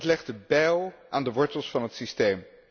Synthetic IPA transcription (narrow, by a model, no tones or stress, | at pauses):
tlɛχtdəbɛlˠʔaːndəʋɔɹtəlˠsfɑnɦətsistejm